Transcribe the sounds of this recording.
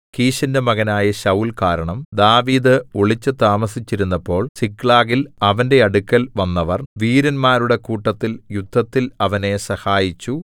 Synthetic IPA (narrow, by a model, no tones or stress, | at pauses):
kiːɕɐndemɐɣɐnaːjɐɕɐwlkaːɾɐɳɐmd̪aːʋiːd̪ɨoɭit͡ɕːɨt̪aːmɐsit͡ɕːiɾunːɐpːo̞ːɭsikɭaːɣilɐʋɐnde̞ɐɽukːɐlʋɐnːɐʋɐrʋiːɾɐnmaːɾuɽe̞kuːʈːɐt̪ːiljud̪ʱːɐt̪ːilɐʋɐne̞sɐhaːjit͡ɕːu